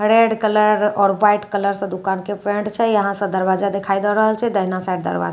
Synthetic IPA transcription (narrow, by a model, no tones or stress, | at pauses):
ɾeɖkələɾɔːɾʋajʈkələɾsə̃d̪ukankepɾeɳɖt͡ʃʰɛjəɦãsə̃d̪əɾbad͡ʒad̪ekʰajd̪elɾəɦəlt͡ʃʰɛd̪əɦnasajɖd̪ə̰ɾba̰d͡ʒa